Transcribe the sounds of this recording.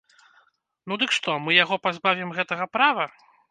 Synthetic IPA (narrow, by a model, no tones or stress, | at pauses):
nud̪ɨkʂt̪ɔmɨjaɣɔpazbavʲimɣɛt̪ɐɣɐpɾavɐ